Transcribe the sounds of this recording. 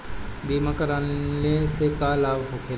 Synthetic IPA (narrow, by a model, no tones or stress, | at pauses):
biːmakəɾaːnlesekaːlaːbɦokʰe